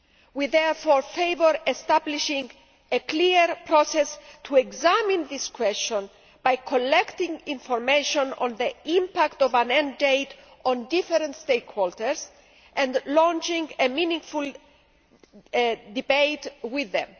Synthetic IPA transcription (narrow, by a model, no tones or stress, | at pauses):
wiðɛɹfoɹfejvəɾest̪abliʃĩŋɡ | ekliɾpɾɔsɛst̪ʰueɡzamĩnðiskwɛst͡ʃõn | b̥ajkʰolɛkt̪ĩŋĩnfɔɾmeʃõnɔ̰̃nðiĩmpakt̪ɔvãnɛ̃ndejt̪ | ɔ̃nd̪ifeɾə̃nt̪st̪ekhɔlt̪əɹs | ʔɛ̃nd̪lɔ̃nt͡ʃĩŋɡemĩnĩŋful | d̪ibejt̪wiðːɛ̰̃m